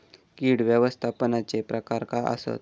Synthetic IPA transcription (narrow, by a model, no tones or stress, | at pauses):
kiɽʋjəʋəst̪ʰapənat͡sepɾəkaɾkaʔə̰sə̰t̪